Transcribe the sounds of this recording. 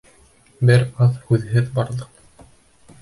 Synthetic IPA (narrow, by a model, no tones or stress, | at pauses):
bɘɾɑðhʉðɦɘðbɑɾðɤq